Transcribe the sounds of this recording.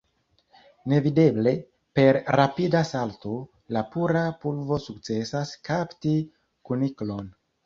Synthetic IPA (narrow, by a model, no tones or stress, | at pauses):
ne̞vide̞ble̞ | pe̞ɾɾapidasalto̞ | lapuɾapulvo̞suk̚t͡se̞saskʰapti | kuniklo̞n